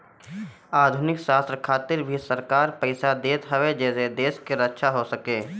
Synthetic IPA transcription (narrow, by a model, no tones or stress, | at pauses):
aːd̪ʱʊnɪkʃaːst̪ɾkʰaːt̪ɪɾbʱisəɾkaːɾpəɪsad̪eːt̪ɦɐʋed͡ʒɛːsed̪eːʃkeɾətːʃʰaɦosəkeː